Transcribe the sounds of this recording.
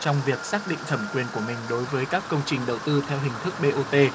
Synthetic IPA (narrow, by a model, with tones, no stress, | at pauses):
t͡ɕɔ˧wŋ͡mvi˨˩ək̚saː˦˥k̚ɗḭ˧˨ŋ̟t̪ʰə˧˩mkwi˧ənku˧˩əmï˨˩ŋ̟ɗo˨˦jvəː˨˦jkaː˦˥kːə˧wŋ͡mt͡ɕï˨˩ŋ̟ɗə˨˩wt̪ɨ˧t̪ʰɛ˧wɦï˨˩ŋ̟t̪ʰɨ˦˥k̚ɓe˧ʔo˧t̪e˧